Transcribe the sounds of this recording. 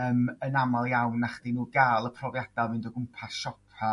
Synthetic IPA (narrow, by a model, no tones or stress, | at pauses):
əːmənamalˠjawnːaχd̥inuːɡaːlˠəpʰrɔvjad̥alˠvɪndɔɡʊmpʰasʃɔpʰa